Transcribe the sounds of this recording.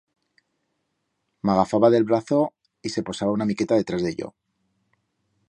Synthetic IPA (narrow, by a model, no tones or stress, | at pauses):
maɣafaβaðe̞lβɾaθo̞ | ise̞po̞saβaunamike̞t̪aðe̞t̪ɾazðe̞̰ʎo̞̰